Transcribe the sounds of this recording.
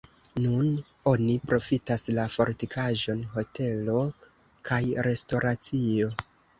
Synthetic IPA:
nun | o̞nipɾo̞fitaslafo̞ɾtikʰaʒo̞nɦo̞tʰe̞lo̞ | kʰajɾe̞sto̞ɾat͡sio̞

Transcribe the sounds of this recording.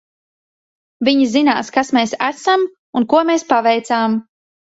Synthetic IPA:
viɲizina̰ːskasmeːsæsam | unkuɔmeːspavɛjt̪saːm

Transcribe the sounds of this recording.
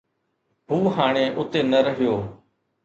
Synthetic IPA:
ɦũːɦaːɽ̃eːʔʊt̪eːnəɾəɦɪjoː

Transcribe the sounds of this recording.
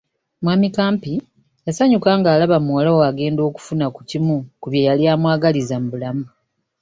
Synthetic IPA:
mwaːmikaːmpi | jasaɲukaːŋɡaːlaβamuwalawaɡe̞ːndo̞ːku̥funaku̥cimukuβjejaljaːmwaːɡalizambulamu

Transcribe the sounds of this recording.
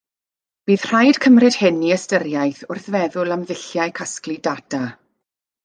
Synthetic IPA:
b̥iːð̥r̥ajd̥kʰəmrɨd̥hɪniəstəɾjajθʊrθvɛðʊlˠamðɪɬjaɨjkʰasklidada

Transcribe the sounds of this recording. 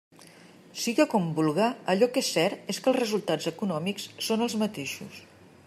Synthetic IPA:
siɣəkɔmbulˠɣaəʎɔkesːɛɾt̪eskəlˠzrəzulˠt̪ad͡zəkunɔmikssonəlˠzmət̪eʃṵs

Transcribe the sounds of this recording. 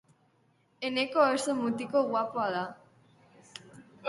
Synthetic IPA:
enekoest̪omut̪ikoɣwapoaða

